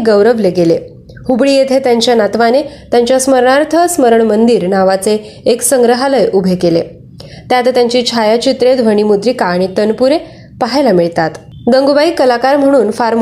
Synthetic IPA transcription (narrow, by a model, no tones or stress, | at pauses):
ɡəwɾəʋleɡele | hubɭijet̪ʰet̪jaɲt͡ɕjanat̪ʋanet̪jaɲt͡ɕjasməɾɳaɾt̪ʰəsməɾəɳmənd̪iːɾnaʋat͡seː | ksəŋɡɾəɦaləjʔubʱekelḛ | t̪jat̪t̪jaɲt͡ɕiːt͡ɕʰajat͡ɕit̪ɾed̪ʋəɽ̃imud̪ɾikaːɽ̃it̪ənpuɾe | paɦajlamiɭt̪at̪ | ɡəŋɡubaikəlakaɾm̤əɽ̃uːnfaɾm